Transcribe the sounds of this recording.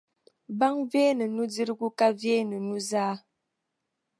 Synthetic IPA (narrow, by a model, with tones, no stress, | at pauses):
ba˦ŋvɛː˦nə˨nu˦d͡zi˦ɾɡu˦ka˦vjeː˦nə˨nu˦zaː˦